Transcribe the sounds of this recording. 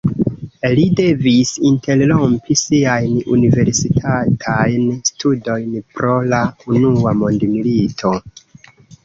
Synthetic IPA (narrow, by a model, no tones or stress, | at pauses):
lide̞visinte̞llo̞mpʰisiajnṵnive̞ɾsitʰatʰajnstʰudo̞jnpɾo̞launuamondmilitʰo̞